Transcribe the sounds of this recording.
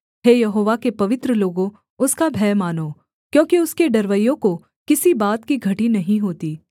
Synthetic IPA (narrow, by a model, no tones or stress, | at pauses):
ɦeːjɐɦoːʋakepɐʋɪt̪ɾəloːɡõ | ʊskabʱɛːmaːnoː | kjõːkiʊskeɖɐɾʋəjːõko | kɪsibaːt̪kiɡʱɐʈinɐɦĩɦoːt̪iː